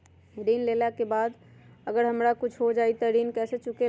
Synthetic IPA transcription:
ɾinlelakebaːd̪əɡəɾɦəmɾakʊt͡ʃʰɦod͡ʒait̪əɾinkɛset͡ʃʊke

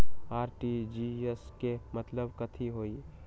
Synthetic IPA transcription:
aːɾʈid͡ʒieskemɐt̪ləbkɐt̪ʰiɦoːi

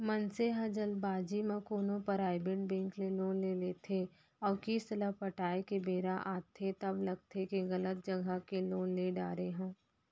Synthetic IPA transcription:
mənseɦɐd͡ʒəlbaːd͡ʒimãkoːnõpəɾaːɪbeʈ̚bɛ̃ːŋkleloːnleleːt̪ʰe | ɔːɾkiːst̪əlapəʈaːekebeːɾaʔaːt̪ʰet̪ɐblɐɡ̚t̪ʰekeɣɐlət̪̚d͡ʒɐɡʱakeloːnleɖaːɾeɦɛ̃ː

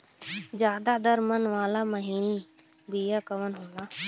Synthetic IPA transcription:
d͡ʒjaːd̪aːd̪əɾmənʋaːlaːməɦiːniː | biːjaːkəʋənɦõːd̪aː

